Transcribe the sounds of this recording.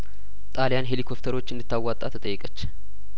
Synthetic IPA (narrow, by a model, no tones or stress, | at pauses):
t̪ʼaljanɦe̞likʰo̞pt̪ʰəɾo̞t͡ʃːɨnd̪ɨt̪ːawːat̪ʼːat̪ʰɨt̪ʼəjːɛkʼət͡ʃː